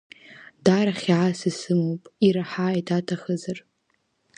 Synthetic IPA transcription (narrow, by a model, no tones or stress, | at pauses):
daɾaχʲʕasisɨmowpʼiɾaħaitʰatʰaχəzar